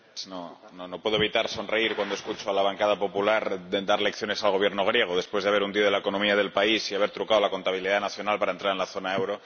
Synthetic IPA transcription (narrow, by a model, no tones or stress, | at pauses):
sno | nono̞pwe̞ðoeβit̪aɾso̞nre̞iɾkwand̪oeskut͡ʃoalaβ̞aŋkað̞apo̞pulaɾd̪aɾle̞kθjo̞ne̞salɣ̞o̞β̞je̞ɾno̞ɣ̞ɾje̞ɣ̞oðe̞spwe̞zðaβe̞ɾund̪ioðelaeko̞nomiað̞e̞lpaisiaβ̞eɾt̪ɾukaðolako̞nt̪aβ̞iliðanaθjonalpaɾaent̪ɾaɾenlaθo̞naewɾo